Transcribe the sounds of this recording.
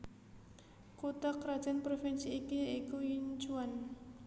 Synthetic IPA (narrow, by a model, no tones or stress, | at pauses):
kut̪akɾad̥d͡ʒ̥anpɾofinsiːkiikujint͡ʃuan